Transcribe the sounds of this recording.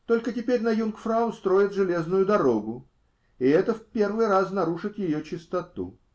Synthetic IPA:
t̪o̞lʲkətʲɪpʲeɾʲnɐjunkfɾaʊst̪ɾo̞jɪt̪ʐɨlʲe̞znʊjʊd̪ɐɾo̞ɡʊ | ɪɛt̪əfpʲe̞rvɨjɾasnɐɾuʂɨt̪jɪjot͡ɕɪst̪ɐt̪ṵ

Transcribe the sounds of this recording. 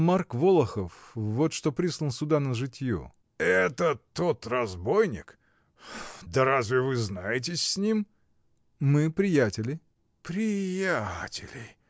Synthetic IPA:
markvolˠəxəfvo̞t̪ʂt̪opɾʲislˠənsʲʊd̪anəʐɨtʲjṵ | ɛt̪ət̪ot̪rɐzbo̞jnʲɪ̰k | d̪əɾazʲvʲɪvɨznajɪt̬ʲɪsʲsʲnʲim | mɨpɾʲɪjætʲɪlʲɪ | pɾʲɪjatʲɪlʲɪ

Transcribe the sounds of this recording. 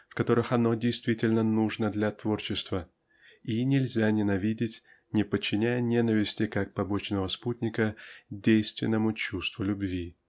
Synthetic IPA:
fkɐt̪o̞ɾɨxɐno̞dʲɪjst̪vʲitʲɪlʲnənuʐnəd̪lʲat̪vo̞rt͡ɕɪst̪və | inʲɪlʲzʲanʲɪnɐvʲidʲɪtʲ | nʲɪpət͡ɕːɪnʲæjənʲe̞nəvʲɪsʲtʲɪkak̚pɐbo̞t͡ɕnəvəsputʲnʲɪkədʲejst̪vʲɪ̰nːəmʊt͡ɕust̪vʊlʲʊbvʲi

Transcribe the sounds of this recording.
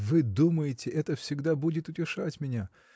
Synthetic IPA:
vɨd̪uməjɪtʲɪʔɛt̪əfsʲɪɡd̪abudʲɪt̪ʊtʲɪʂatʲmʲɪnʲa

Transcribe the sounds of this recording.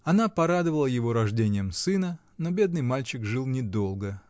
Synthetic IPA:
ɐnapɐɾad̪əvəlˠəjɪvo̞ɾɐʐdʲenʲɪjəmsɨnə | no̞bʲe̞d̪nɨjmalʲt͡ɕɪkʐɨlˠnʲɪd̪o̞lˠɡə

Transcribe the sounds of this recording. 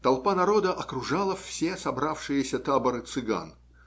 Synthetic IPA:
t̪ɐlˠpanɐɾo̞d̪əʔɐkɾʊʐalˠəfʲsʲesɐbɾafʂɨjɪsʲət̪abəɾɨt̪sɨɡa̰n

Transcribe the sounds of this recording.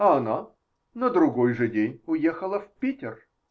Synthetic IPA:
ɐɐna | nəd̪ɾʊɡojʐɨdʲenʲʊjexəlˠəfpʲitʲɪr

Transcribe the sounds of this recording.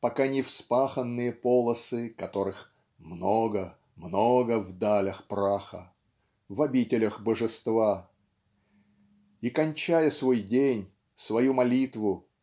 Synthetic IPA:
pɐkanʲɪfspaxənːɨjəpolˠəsɨkɐt̪o̞ɾɨx | mnoɡə | mnoɡəvd̪alʲəxpɾaxə̰ | vɐbʲitʲɪlʲəxbəʐɨst̪va | ikɐnʲt͡ɕæjəsvo̞jdʲenʲ | svɐjumɐlʲit̪vʊ

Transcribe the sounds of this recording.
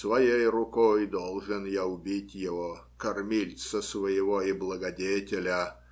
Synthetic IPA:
svɐjejrʊkojd̪olˠʐɨnjaʊbʲitʲjɪvo | kɐrmʲilʲt̪səsvəjɪvoiblˠəɡɐdʲetʲɪlʲə

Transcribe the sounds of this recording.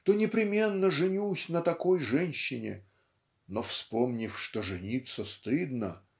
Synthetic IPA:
t̪onʲɪpɾʲɪmʲenːəʐɨnʲusʲnət̪ɐkojʐɛnʲɕːɪnʲɪ̰ | nofspomnʲɪfʂt̪oʐɨnʲit̪sːəst̪ɨd̪nə

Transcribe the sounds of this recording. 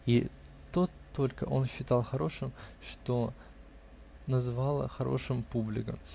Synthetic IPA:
i | t̪oolʲkəʔo̞nɕːɪt̪ɑlˠxɐɾo̞ʂɨmʂt̪o | nəzɨvɑlˠə̰xɐɾo̞̰ʂɨmpublʲɪ̰kə̰m

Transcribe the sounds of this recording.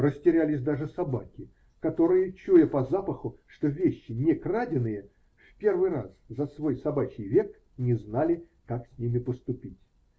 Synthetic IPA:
rəsʲtʲɪɾʲælʲɪsʲd̪aʐɨsɐbakʲɪ | kɐt̪o̞ɾɨjət͡ɕujəpɐzapəxʊʂt̪ovʲeɕːɪnʲɪkradʲɪnɨjə | fʲpʲe̞rvɨjra̰szɐsvo̞jsɐbat͡ɕʲɪjvʲe̞k | nʲɪznalʲɪ | kaksʲnʲimʲɪpəst̪ʊpʲitʲ

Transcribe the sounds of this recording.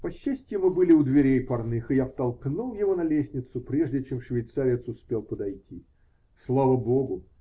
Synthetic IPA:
pɐɕːæsʲtʲjɪmɨbɨlʲɪʊd̪vʲɪɾʲejpɐrnɨxɨjaft̪ɐlˠknulˠjɪvonɐlʲesʲnʲɪt̪sʊpɾʲe̞ʐdʲɪt͡ɕe̞mʂvʲɪjt̪saɾʲɪt̪sʊspʲe̞lˠpəd̪ɐjtʲi | slˠavəbo̞ɡʊ

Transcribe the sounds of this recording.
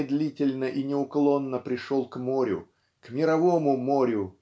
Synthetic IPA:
d̪lʲitʲɪlʲnəʔinʲɪʊklˠo̞nːəpɾʲɪʂolˠkmoɾʲʊ̰ | kmʲɪɾɐvomʊmoɾʲʊ

